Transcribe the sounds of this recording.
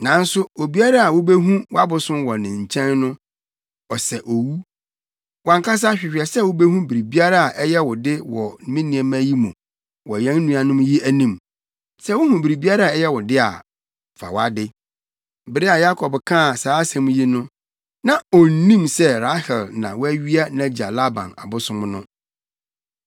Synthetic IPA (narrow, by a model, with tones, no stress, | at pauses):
nã˨˦n̩˦sʊ˦o˨bi˦a˦ɾa˦a˨wʊ˦be˦ɦũ˦wa˦bʊ˨sʊ̃˦mwɔ˨nɪ̃˨ɲ̩˨t͡ɕʰɛ̃˦nnʊ̃˦ | ɔ˨sɛ˨ʔo˨wu˦ | wã˨ŋkʰa˦s̬a˦ɕᶣɪ˨ɕᶣɛ˨sɛ˦˨wʊ˦be˦hũ˦bi˨ɾi˨bi˦a˦ɾa˦a˨ʔɛ˦jɛ˦wʊ˨dɪ˦wɔ˨n˨mĩ˦nĩ˨ɛ˨mæ̃˦ji˦mʊ̃˨ | wɔ˨jɛ̃˦n˦nũ˦a˨nʊ̃˦mji˦æ˦nĩ˨m | sɛ˦wʊ˦hũ˨bi˨ɾi˨bi˦a˦ɾa˦a˨ɛ˦jɛ˦wʊ˨dɪ˦a̰˨ | fa̰˨wa˦dɪ˦˨ | bɪ˨ɾe˦a˨ja˦kʰɔ˨bkʰã˦˨saː˨˦sɛ̃˨m̃˦ji˦nʊ̃˦ | nã˨ɔ˨n̩˨nĩ˦msɛ˦ɾa˦hɛ˨lnã̰˨wɔ˦æ˦ɥi˦a˦nã˨˦d͡ʑi˨a˨la˦bã̰˨na̰˨bʊ˦sʊ̃˦m̃˦nʊ̃˦